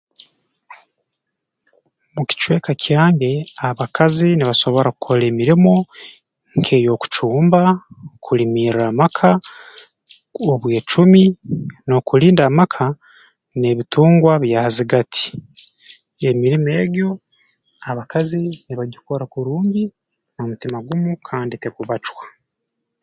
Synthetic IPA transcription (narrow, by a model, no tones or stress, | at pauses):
muci̥t͡ʃwe̞ːkacʰaːŋɡeaβakʰaziniβaso̞βo̞ɾaku̥kʰole̞ːmiɾimo | ŋkʰe̞ːjo̞ku̥t͡ʃuːmbakʰulimiːɾamakʰa | oβwe̞ːt͡ʃumino̞kuliːndaːmakʰa | ne̞βituːŋɡwaβjahaziɡatʰi̥ | e̞miɾime̞ːɡjo̞ | aβakaziniβaɟukoɾakuɾuːɲɟi | nomutimaɡumukʰaːnditekuβat͡ʃwḁ